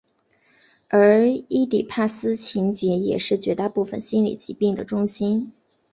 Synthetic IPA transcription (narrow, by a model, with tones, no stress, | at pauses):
ə˞˧˥i˥t̪i˨˩pʰa˥˩sɹ̩˥t͡ɕʰi˧˥ŋt͡ɕjɛ˧˥jɛ˨˩ʂɻ̩˥˩t͡ɕɥɛ˧˥t̪a˥˧pu˥˩fə̰˨˩nɕi˥nlḭ˨˩t͡ɕi˧˥pi˥˩ŋd̪ə˩ʈ͡ʂʊ˥ŋɕi˥n